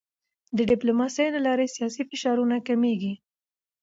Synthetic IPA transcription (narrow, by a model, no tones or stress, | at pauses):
d̪əɖɪplomɑsəjlalɑɾesijɑsifɪʃɑɾunakameɡi